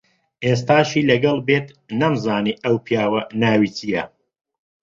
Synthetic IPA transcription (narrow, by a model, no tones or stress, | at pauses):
ʔeːst̪aːʃiːlɐɡɐlˠbeːt̪ | nɐmzaːniʔɐwpʰijaːwɐnaːwit͡sijɐ